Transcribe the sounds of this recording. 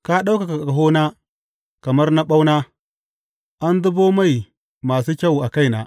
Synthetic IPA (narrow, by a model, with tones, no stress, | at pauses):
ka˦ɗa˦wka˨ka˨ka˨ka˨ɦo˦na˦ | ka˨ma˦ɾna˦ɓa˦wna˦ | ʔa˦ndu˦bo˦ma˦˨j | maː˨s̬u˦kʲa˦wa˨ka˦jna̰˨